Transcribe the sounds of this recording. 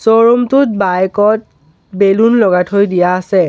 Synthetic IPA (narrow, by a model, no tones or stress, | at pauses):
soɹɔmtʊt̚bajkɔt̚ | belunlɔɡatʰojdijaːsɛ